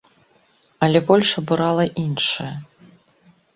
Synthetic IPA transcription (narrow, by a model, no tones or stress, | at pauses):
ɐlʲɛbɔlʲʂɐbuɾalˠɐʔinʂɨjɐ